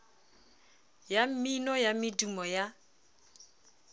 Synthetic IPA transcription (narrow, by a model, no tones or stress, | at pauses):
jam̩minɔjamɪdumɔja